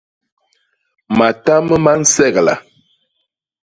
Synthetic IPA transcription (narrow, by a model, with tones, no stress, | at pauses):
ma˨ta˦mə˦ma˦n̩˦sɛ˦˨ɣla̰˨